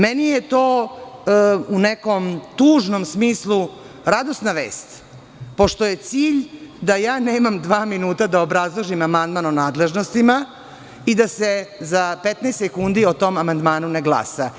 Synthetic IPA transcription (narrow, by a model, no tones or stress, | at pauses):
menijet̪oː | uneko̞mt̪uːʒno̞msmiːslˠu | ɾad̪o̞snaʋḛːst̪ | po̞ʃt̪o̞je̞t̪siːʎd̪ajaːneːmamd̪ʋaːminuːt̪ad̪aobɾazlˠoʒimamand̪manonaːd̪leʒno̞st̪ima | id̪asezapet̪nɛst̪ekund̪iot̪o̞mamand̪maːnuneɡlˠa̰sa